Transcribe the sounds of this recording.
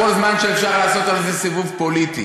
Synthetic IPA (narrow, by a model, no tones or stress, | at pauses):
olzmanʃɛɛfʃaʁlaːsot̪alzɛsivuvpolit̪i